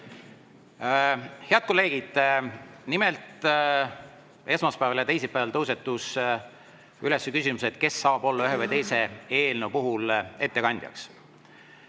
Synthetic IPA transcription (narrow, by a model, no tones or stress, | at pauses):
he̞ɑd̪̚ko̞lːe̞ːɡ̥id̪̥ | nimelt̪ˑ | e̞smɑspæevɑljɑt̪e̞jsepæːvɑlt̪ɤwse̞t̪ːˑus | yle̞sːekysʲimuset̪̚ke̞sːɑːb̥o̞lːɑyɦevɤjt̪e̞jse̞e̞ːlnopuɦule̞t̪ːe̞kɑnʲd̥̪jɑ̰ks